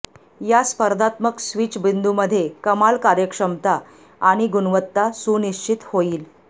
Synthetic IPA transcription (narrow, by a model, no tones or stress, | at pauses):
jaspəɾd̪ʱat̪məksʋit͡sbind̪uməd̪ʱːjekəmalkaɾjəkʂəmt̪a | aɽ̃iɡunʋət̪ːasuniɕt͡ɕit̪hoiːl